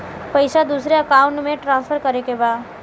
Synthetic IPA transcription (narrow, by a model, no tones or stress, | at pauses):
pəɪsad̪uːsɾeəkaːʊ̃ɳʈmẽʈɾãːnspʰəɾkəɾekebaːd̪